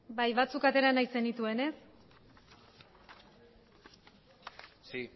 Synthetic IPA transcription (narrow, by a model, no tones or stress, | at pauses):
bajβat͡sukat̪e̞ɾanajse̞nit̪ue̞ne̞s | si